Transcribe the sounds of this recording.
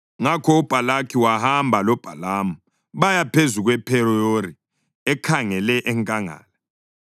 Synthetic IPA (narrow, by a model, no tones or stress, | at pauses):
ŋakʰɔub̥ʱalakʰiwahambʱalɔb̥ʱalamu | βajapʰezuɣwɛpʰɛɾɔjori | ɛkʰaŋɛlɛʔɛŋkʼaŋa̰ːlɛ